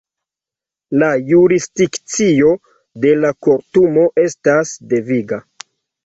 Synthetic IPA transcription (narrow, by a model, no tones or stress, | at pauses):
lajuɾisdikt͡sio̞ | de̞lakoɾtumo̞ʔe̞stasde̞viɡa